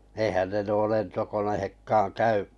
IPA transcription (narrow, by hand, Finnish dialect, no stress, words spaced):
ehæn ne nuo lentokonehekːɑːn kæyʔ